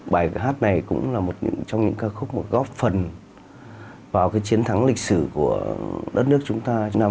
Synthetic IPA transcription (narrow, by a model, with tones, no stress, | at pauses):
ɓaː˧˩jɦaː˦˥t̚na˨˩jkʊ̰˧˥ŋ͡mlaː˨˩mo˨˩t̚ɲɨ̰˧˥ŋt͡ɕɔ˧wŋ͡mɲɨ̰˧˥ŋkaː˧xʊ˦˥k͡p̚mo˨˩t̚ɣɔ˦˥p̚fə˨˩n | vaː˨˩wkaː˨˦jt͡ɕi˨˦ənt̪ʰa˨˦ŋlï˨˩k̚sɨ˧˩ku˧˩əɗə˦˥t̚nɨ˦˥ək̚t͡ɕʊ˨˦ŋ͡mt̪aː˧t͡ɕnaː˧